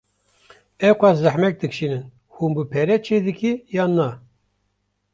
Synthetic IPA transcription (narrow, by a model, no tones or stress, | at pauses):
ɛwkʷɑszæħmɛk̚d̪ɨkʃinɨn | hunbɨpʰɛɾɛt͡ʃʰeːd̪ɨkijɑːnɑ